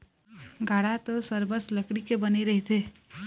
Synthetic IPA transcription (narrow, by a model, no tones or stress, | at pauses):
ɡʱaɽat̪ɔsəɾbəsləkɽikebəneɾəɦit̪ʰe